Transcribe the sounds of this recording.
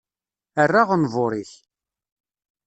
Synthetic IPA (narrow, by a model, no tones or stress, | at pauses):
ərːaʁənvʊɾiç